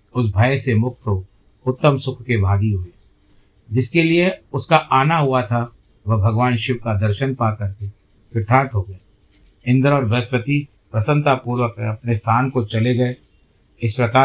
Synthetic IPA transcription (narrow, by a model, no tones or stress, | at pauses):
ʊs̬bʱajsemʊk̚t̪o | ʊt̪ːəmsʊkʰkebʱaːɡiɦʊe | d͡ʒɪskelieʊskaʔaːnaɦuat̪ʰa | ʋɐɦbʱɐɡʋaːnʃɪʋkad̪ɐɾʃənpakɐɾke | pɪɾt̪ʰaːɾt̪ɦoɡɐe | ɪ̃nd̪əɾɔːɾbɐspət̪i | pɾɐsə̃nt̪apuːɾwəkɐpnest̪ʰaːnkot͡ʃɐleɡɐe | ɪspɾɐkaː